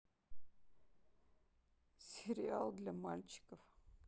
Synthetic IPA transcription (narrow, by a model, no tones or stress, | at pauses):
sʲeɾʲia̰lˠd̪lʲamalʲt͡ʃi̥kəf